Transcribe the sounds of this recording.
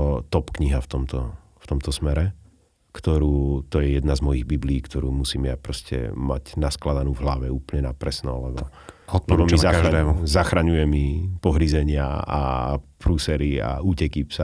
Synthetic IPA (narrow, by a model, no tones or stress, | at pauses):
t̪ɔpkɲiɦaft̪ɔmt̪ɔ | ft̪ɔmt̪ɔsmɛɾɛ | kt̪ɔɾuːt̪ɔjɛjɛd̪nazmɔjiɣbibliːkt̪ɔɾuːmusiːmjapɾɔscɛ̰ma̰cnasklad̪anuːvɦlaʋɛuːpəlɲɛnapɾɛsnɔlɛbɔɔt̪̚lɛbɔmzaaʒaɛːmuzaxɾaɲujɛmipɔɦɾizɛɲɪaa̰pɾuːsɛɾia̰uːcɛkipsa